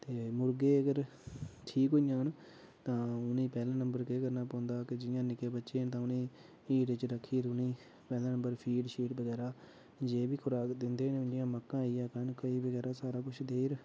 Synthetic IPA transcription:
t̪eːmʊɾɡeːəɡəɾ | ʈʰiːkɦoijãːn | t̪ãːʊnĩːpɛːlãːnəmbəɾkeːkəɾnaːpɔ̃ːnd̪aːkɪd͡ʒɪjãːnɪkeːbətːʃeːnt̪ãːʊnĩː | iːʈɪt͡ʃɾəkʰːiːɾʊnĩː | pɛːlãːnəmbəɾpʰiːʈʃiːʈbəɡɛːɾaː | d͡ʒeːbiːkʰʊɾaːkd̪ɪnd̪eːneʊnd͡ʒɪjãːməkːãːiːaːkənkəiːbəɡɛːɾaːsaːɾaːkʊt͡ʃʰd̪eːɾ

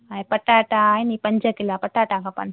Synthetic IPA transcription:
ajpəʈaʈajnipəɲd͡ʒəkilapəʈaʈakapə̰n

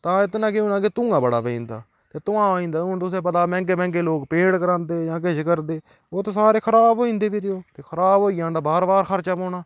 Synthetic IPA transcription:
t̪ãːɪt̪nãːkɪũːnãːket̪ʊ̃ːŋɡaːbəɽa̰ːpəḭ̃ːnd̪a̰ː | t̪eːt̪ʊãːoːĩːnd̪aːʊt̪ʊsẽːpət̪aːmɛ̃ːŋkeːmɛ̃ːŋkeːloːkpẽːɽkəɾãːnd̪eːjãːk̬eʃkəɾd̪eː | oːt̪oːsaːɾeːkʰəɾaːbɦoːĩːnd̪eːbiɾɪoːt̪eːkʰəɾaːbɦoːiːãːnd̪aːbaːɾbaːɾxʰəɾt͡ʃaːpõːɳaː

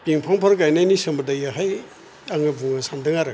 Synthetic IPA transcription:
piŋpʰaŋpʰaɾkajnajnisɯmɐdajaɦaj | aŋɯbuŋasamdɯŋaɾɯ

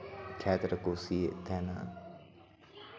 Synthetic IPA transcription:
kʰɛːt̪ɾəkosit̪ʰɛːnaː

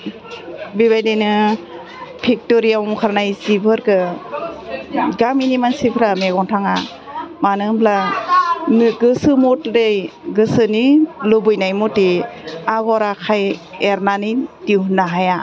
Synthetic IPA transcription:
bibajdenɯ | pʰik̚toɾiamkʰaɾnajsibʰɯɾkɯ | ɡaminimansipʰɾameɡɔntʰaŋa | manɯbʰla | nɯɡɯsɯmɔtlejɡɯsɯnilɯbɯjnajmɔteaɡɔɾakʰajeɾnanidiwɦunːaɦaja

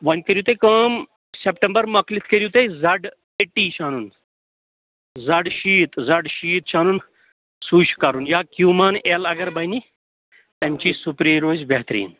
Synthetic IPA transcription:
ʋɐnkəɾjut̪ekaːm | sepʈɐmbəɾmɐklit̪ʰkəɾjut̪ezɐɖ | eʈːiːt͡ʃʰaːnun | zɐɖʃiːt̪zɐɖʃiːt̪t͡ʃʰaːnun | suːʃkɐɾunjaːkjuːmaːnelɐɡɐɾbɐni | t̪ɐmʲt͡ʃiːsupɾeːɾoːzʲbeɦt̪ɾḭːn

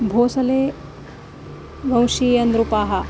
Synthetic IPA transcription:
bʱoːsɐleː | ʋɐ̃w̃ʃiːjɐnd̪ɾupaːɦɐ

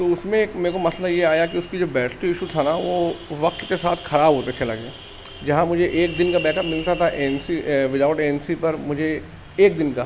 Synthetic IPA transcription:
t̪oʊsmẽːkmeːkomɐslajeaːjak̬iʊskid͡ʒoːbɛːʈʰʈuɪʃut̪ʰanaʋoːʋɐk̚t̪kesaːt̪ʰxɐɾaːbʱɦop̪et͡ʃʰelɐ̰ɡeː | d͡ʒɐɦãmʊd͡ʒʱeʔeːk̚d̪ɪnkabɛːkəpmɪlt̪at̪ʰaʔeːnsiʋɪd̪aːʊʈeːnsipɐɾmʊd͡ʒʱe | eːk̚d̪ɪnka

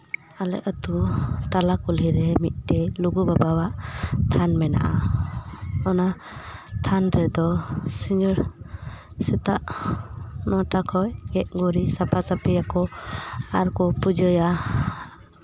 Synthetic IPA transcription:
alɛ̰ʔət̪ut̪alakuliɾɛmit̪̚ˀʈɛluɡubabawaʔt̪ʰanmɛna̰ʔa | ɔna | t̪ʰanɾɛd̪ɔsiɲɔɾ | sɛt̪aʔ | nɔʈakʰɔjɡɛʔ̚ɡɔɾisapʰasapɛjakɔ | aɾkɔpud͡ʒəja

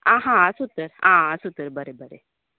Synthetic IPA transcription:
ãɦãsut̪əɾɦãsut̪əɾbəɾebəɾḛ

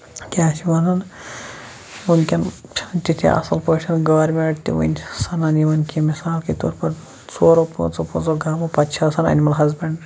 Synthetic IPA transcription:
kʲaːʃiʋɐnɐn | unkʲɐnt͡ʃʰt͡ʃit̪ʰḭʔɐ̰sɐlpoːʃɐnɡɐʋɐɾmeɳʈt̪ḭʋṵnʲsɐnɐniʋɐnkimisaːlket̪o̰ːɾpɐɾ | soːɾopo̰t͡sopot͡soɡaːmɐpɐt̪t͡ʃʰasɐnɐ̰nʲimɐlɦɐzbɐɳɖ

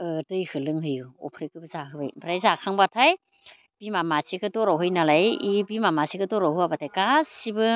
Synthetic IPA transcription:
ɯdɯjhɯlɯŋhɯjɯɔ̰pʰɾikɯbɯzaɦɯbajpʰɾajzakʰaŋbatʰaj | b̥imamasikɯtɔɾaɦɯjnalajibimamasikɯtɔɾahɯabatʰajɡasibɯ

